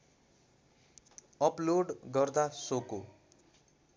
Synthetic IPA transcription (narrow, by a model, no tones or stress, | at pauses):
ʌploɖɡʌrd̪asoko